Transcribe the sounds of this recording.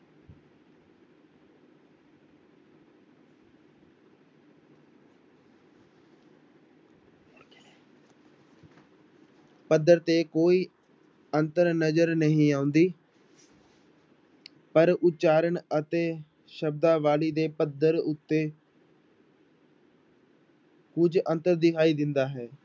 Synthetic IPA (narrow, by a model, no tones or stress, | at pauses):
pəd̪ːəɾt̪eːkoːiː | ənt̪əɾnəd͡ʒəɾnəɦĩːaːʊ̃nd̪iː | pəɾʊtt͡ʃaːɾəɳət̪eː | ʃəb̚d̪aːʋaːliːd̪eːpəd̪əɾʊt̪ːeː | kʊd͡ʒə̃nt̪əɾd̪ɪkʰaːiːd̪ɪ̃nd̪aːɦɛː